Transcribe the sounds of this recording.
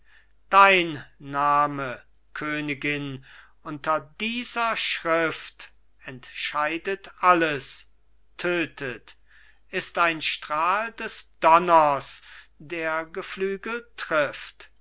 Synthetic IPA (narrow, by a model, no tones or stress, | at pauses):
d̥aɪnːaːmə | kʰøːnɪɡɪnʔʊntɐdiːzɐʃʁɪft | ɛntʃaɪdətʔaləs | tʰøːtʰət | ʔɪstaɪnʃtʁ̥aːldɛsd̥ɔnɐsd̥eːɐɡəflyːɡətʁ̥ɪft